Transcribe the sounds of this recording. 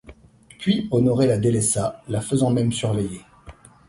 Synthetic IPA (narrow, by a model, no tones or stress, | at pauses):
pɥiɔnɔʁelad̪elɛsalafəzɑ̃mɛmsyʁveje